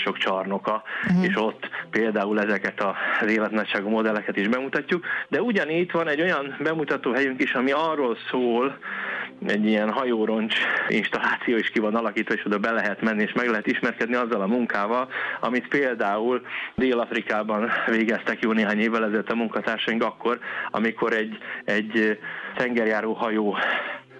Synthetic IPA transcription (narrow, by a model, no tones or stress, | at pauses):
ʃo̞kt͡ʃɒrno̞kɒeːʃo̞t̪ːpeːld̪aːulɛzɛkɛt̪ɒzeːlɛt̪nɒcʃaːɡumo̞d̪ɛlːɛkɛt̪iʒbɛmut̪ɒcːukd̪ɛuɟɒniːct̪ʋɒnɛɟːo̞jɒnbɛmut̪ɒt̪oːɦɛjyŋkiʃɒmiɒrːo̞lsoːl | ɛɟːiɛnɦɒjoːɾo̞nt͡ʃḭnʃt̪ɒlːaːt̪sijoːiʃkivɒnɒlɒkiːt̪ʋɒeːʃod̪ɒbɛlɛɦɛt̪mɛnːieːʃmɛɡlɛɦɛt̪iʃmɛrkɛd̪niɒzːɒlɒmuŋkaːvɒlɒ̰mit̪peːld̪aːuld̪eːlɒfɾikaːbɒnveːɡɛst̪ɛkjoːneːɦaːɲeːvːɛlɛzɛløt̪ɒmuŋkɒt̪aːrʃɒjiŋkɒkːo̞ɾɒ̰mikʰo̞ɾɛɟːɛɟːt̪ɛŋɡɛrjaːɾoːɦɒjoː